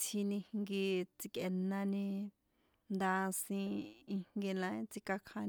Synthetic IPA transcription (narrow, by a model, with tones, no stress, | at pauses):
t͡sʰi˧nĩ˧hŋɡi˧t͡si˧ke˨nã˧nĩ˧ | nd̪a˧sĩ˧i˧ŋɡi˧nã˧˦ĩ˦t͡si˧ka˧kʰã˧n˧